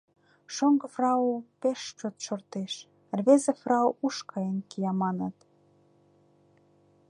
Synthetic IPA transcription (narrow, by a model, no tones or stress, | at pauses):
ʃoŋɡɤ̆frɑupeʃt͡ɕot̪ʃort̪eʃ | rβezefrɑoʔuʃkʰɑjenkijɑmɑnɑt̪